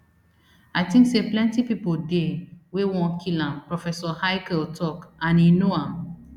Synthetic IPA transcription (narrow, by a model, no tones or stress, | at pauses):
aɪtĩŋkseplɛ̃ntipipodewewɔ̃nkʰilãmpɹɔfɛsɔhaɪkɛltʰɔkãninoãm